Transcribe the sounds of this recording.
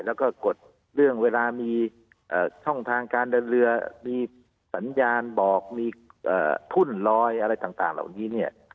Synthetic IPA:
lɛː˦˥˩wkɔː˧˩ko˨˩t̪̚ | lɯ˥˩əŋweː˧laː˧miː˧ | ʔɤː˨˩t͡ɕʰɔ˥˩ŋt̪ʰaː˧ŋkaː˧nda˧ɾɯ˧ɐmiː˧ | sa˩˦njaː˧nbɔː˨˩k̚miː˧ʔə̰ː˨˩t̪ʰu˥˩nlɔː˧˥jʔa˧ɾa˧jt̪aː˨˩ŋt̪a̰ː˨˩ŋla̰ː˨˩wŋiː˦˥ni˧˩ɐ

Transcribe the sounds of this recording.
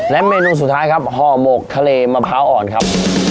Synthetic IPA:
lɛ˦˥ʔmeː˧nuː˧s̬t̪ʰːaː˦˥jkʰa˦˥p̚hɔː˧˩mo˨˩k̚t̪ʰa˧leː˧maː˧pʰaː˦˥wʔɔː˨˩nkʰa˦˥p̚

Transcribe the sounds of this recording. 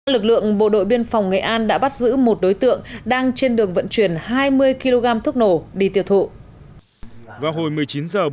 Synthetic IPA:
lɨ˨˩k̚lɨ̰˧˨əŋɓo̰˧˨ɗo̰˧˨jɓi˧ənfa˨˩wŋḛ˧˨ʔaː˧nɗa̰ː˧˥ɓa˦˥t̚zɨ̰˧˥mo˨˩t̚ɗo˨˦jt̪ɨ̰˧˨əŋɗaː˧ŋt͡ɕe˧nɗɨ˨˩əŋvə̰˧˨nt͡ɕwi˧˩ənhaː˧jmɨ˧əjki˧lo˧ɣaː˧mt̪ʰʊ˦˥k͡p̚no˧˩ɗi˧˩t̪ḭ˧˨əwt̪ʰṵ˧˨ʔ | vaː˨˩wɦo˨˩jmɨ˨˩əjt͡ɕi˨˦nzəː˨˩

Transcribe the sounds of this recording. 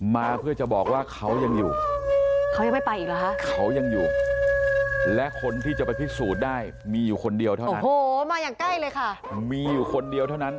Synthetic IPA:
maː˧pʰɯ˥˩ət͡ɕa˨˩bɔː˨˩k̚waː˥˩kʰa˦˥wja˧ŋjuː˨˩ | kʰa˦˥wja˧ŋma˥˩jpa˧jʔi˨˩la˦˥kʰa˦˥ʔkʰa˦˥wja˧ŋjuː˨˩ | lɛ˦˥ʔkʰo˧nt̪ʰiː˥˩t͡ɕa˨˩pa˧jpʰi˦˥suː˨˩t̪̚daː˥˩j | miː˧juː˨˩kʰo˧ndi˧əwt̪ʰa˥˩o˧n˦hoː˨˩maː˧jaː˨˩ŋka˥˩jlɤː˧jkʰa˥˩ | miː˧juː˨˩kʰo˧ndi˧əwt̪ʰa˥˩wna˦˥n

